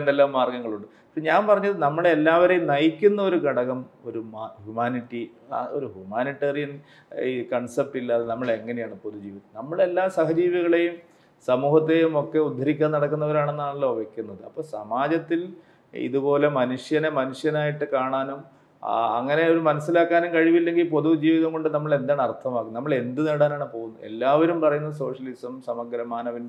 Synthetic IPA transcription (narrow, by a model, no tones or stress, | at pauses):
nd̪elːaːmːaːrɡɐŋːɐɭuɳɖɨ | ɐpːɐɲaːnpɐrɐɲːɐðɨnɐmːɐɭelːaːʋɐɾejnɐjikʲːunːɐo̞ɾukɐɽɐɣɐmo̞ɾumahumaːniʈːi | o̞̰ɾuhumaːniʈːerijɐn | kɐɳsep̚ʈilːaːðnɐmːɐɭeŋːɐne̞jaːɳɨpoðud͡ʑiːʋiðɐnɐmːɐɭe̞lːaːsɐhɐd͡ʑiːʋɐɣɐɭe̞jum | sɐmuːhɐt̪ːe̞jumo̞kːe̞ud̪ʱːɐɾikʲːaːnɐɽɐkːunːɐʋɐɾaːɳenːaːɭɐɭːoʋɐkʲːunːɐðɨɐpːoːsɐ̰maːd͡ʑɐt̪ːil | ḭðupo̞ːle̞mɐnuʂjɐnemɐnuʂjɐnaːjiʈːɨkaːɳaːnum | ɐ̰ŋːɐne̞o̞ɾumɐnɐsːilaːkːaːnumkɐɻiʋilːe̞ŋɡilpo̞ðud͡ʑiːʋiðɐmkoɳɖɨnɐmːɐɭe̞nd̪aːɳɐrt̪ʰɐmaːkːunnɐmːɐɭe̞nd̪ɨneːɽaːnaːɳɨpo̞ːɣunːuḛlːaːʋɐɾumpɐrɐjunːɐs̬o̞ːʂɐlisɐmsɐmɐɡɾɐmaːnɐʋin